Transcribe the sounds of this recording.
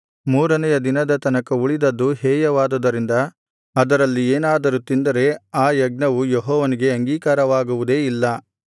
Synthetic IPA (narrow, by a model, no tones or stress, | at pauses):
muːɾɐnɛjɐd̪inɐd̪ɐt̪ɐnɐkɐuɭid̪ɐd̪ːuɦɛːjɐʋaːd̪ɐd̪ɐɾind̪ɐː | d̪ɐɾɐlːieːnaːd̪ɐɾut̪ind̪ɐɾe̞aːjɐɡ̚nɐʋujɔɦɔːʋɐniɡe̞ɐŋɡiːkaːɾɐʋaːɡuʋud̪e̞ːilːɐ